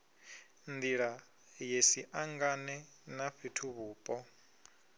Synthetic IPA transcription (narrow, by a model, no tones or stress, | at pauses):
nd̪iɺa | jesiʔaŋɡanɛ | naɸitʰuβuːpʼɔ